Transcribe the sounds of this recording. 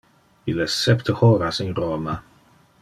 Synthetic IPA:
ilɛssɛpt̪ʰəhɔːɾasinroːma

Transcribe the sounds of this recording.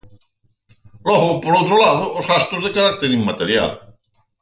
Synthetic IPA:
lɔɣʊpoɾowt̪ɾolaðʊozɣast̪ozðekaɾak̚t̪eɾiŋmat̪eɾja̰l

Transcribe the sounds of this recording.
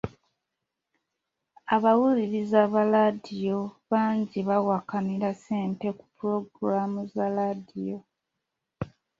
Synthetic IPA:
aβawuliɾizaβaladijo̞βaːɲɟiβawakaniɾaseːmpe̞ku̥puɾo̞ɡuɾamuzaladijo̞

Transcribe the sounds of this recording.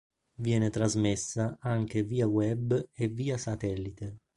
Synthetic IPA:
vjɛːnet̪ɾazmesːaaŋk̟eviːawɛbːevːiːasat̪ɛlːit̪e

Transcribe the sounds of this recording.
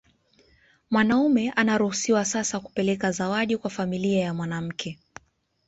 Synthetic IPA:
mwanaumɛʔanaɾuhusiwasasaku̥pɛlɛkazawaɗikwafamiliajamwanam̩kʰɛ

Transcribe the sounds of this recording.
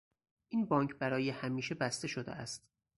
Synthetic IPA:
ʔiːnbɒːŋkʰbæɾɒːjehæmiːʃebæst̪e̞ʃod̪ḛæst̪

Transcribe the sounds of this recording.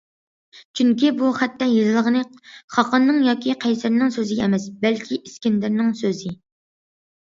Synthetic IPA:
t͡ʃʰyŋkʲibuχæt̪ʰːɑjezɨlˠəʁənɨχɑqʰənːɨŋjɑːkʲʰiqʰɛjsɪɾnɪŋsøzɪɡʲɛɛmɛsbɛlkʲʰiʔiskʲɪnd̪ɪɾnɪŋsøzɪ

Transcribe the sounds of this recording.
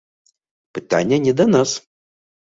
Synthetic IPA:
pɨt̪ʰa̰nʲijɐnʲɛd̪anas

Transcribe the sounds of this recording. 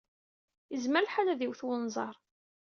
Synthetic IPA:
jəzməɾlħalæðiwθwənzˤɑɾˤ

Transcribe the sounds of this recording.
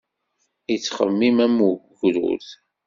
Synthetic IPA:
it͡sːχə̰mːimæmuɡ | ɾṵθ

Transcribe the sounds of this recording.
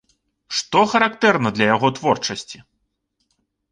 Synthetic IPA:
ʂt̪ɔxɐɾakt̪ɛrnɐd̪lʲɐjaɣɔt̪vɔrt͡ʂɐsʲt͡sʲi

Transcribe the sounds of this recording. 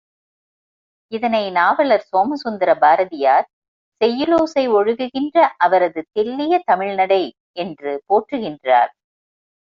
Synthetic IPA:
ɪðɐnɐɪnaːʋɐɭɐɾsoːmɐsʊnd̪ɐɾɐbaːɾɐðɪjaːɾ | sɛjːɯloːsɐɪɔɻɯɣɯɣɪndrɐʔɐʋɐɾɐðɯt̪ɛlːɪjɐt̪ɐmɪɻnɐɽɐɪ | ɛndrɯpoːʈrɯɣɪndra̰ːɾ

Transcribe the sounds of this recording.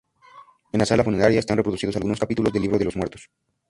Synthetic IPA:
enlasalafuneɾaɾjaest̪anrepɾoðusiðosalɣuno̞skapit̪ulo̞zðelːiβɾo̞ðe̞lo̞zmwe̞ɾt̪os

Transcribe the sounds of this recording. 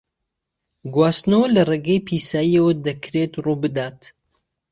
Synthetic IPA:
ɡwaːst̪nɐwɐlɐreːɡejpʰiːsaːjiɐwɐd̪ɐkʰɾet̪rubɨd̪aːt̪

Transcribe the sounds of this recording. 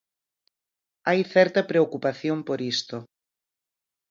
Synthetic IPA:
ajθɛɾt̪ɐpɾeokupaθjompoɾist̪o

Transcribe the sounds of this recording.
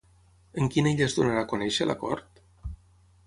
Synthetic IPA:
əŋkineʎəzðunaɾakonɛʃəlʔə̰kɔ̰ɾt̪

